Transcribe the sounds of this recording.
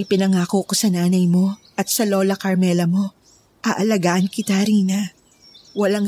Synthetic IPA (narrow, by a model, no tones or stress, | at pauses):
jpɪnɐŋaːkokosɐnaːnɐjmo̞ʔɐt̪sɐlo̞ːlɐkɐɾmɛlɐmo̞ | ʔɐʔɐlɐɡaːʔɐnkɪt̪aɾiːnɐ | wɐlaŋ